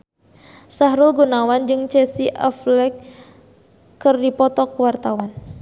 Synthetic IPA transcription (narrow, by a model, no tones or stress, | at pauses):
saɦɾʊlɡunawand͡ʒɨŋt͡ʃɛsiʔɛ̰flɛk | ɨrdipɔt̪ɔkəwart̪awan